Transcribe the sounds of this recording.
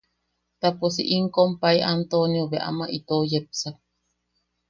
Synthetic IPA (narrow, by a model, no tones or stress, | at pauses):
t̪apusḭʔiŋkompaiʔant̪onjoβeʔa̰maʔit̪ojep̚sa